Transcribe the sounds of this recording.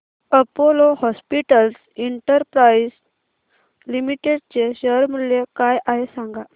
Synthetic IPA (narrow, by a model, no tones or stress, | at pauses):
əpolohɔspiʈəls | iɳʈəɾpɾaiz | limiʈeɽ̚t͡seɕəɾməlekajʔaɦesaŋɡa